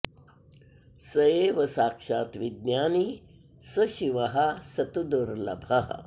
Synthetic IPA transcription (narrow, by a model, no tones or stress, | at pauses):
sɐjeːʋɐsaːkʂaːt̪ʋid̪̚nʲjaːni | sɐʃiʋɐɦɐsɐt̪ud̪uɾlɐ̰bʱɐɦ